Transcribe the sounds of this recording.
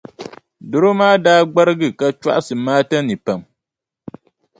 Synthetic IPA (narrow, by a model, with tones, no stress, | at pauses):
dʊ˦ɾo˦maː˦daː˦ɡ͡ba˦ɾɨ˦ɡɨ˨ka˦t͡ʃa̰˦ʔa˦sɨ˨maː˦ta˦nɨ˨pa˨m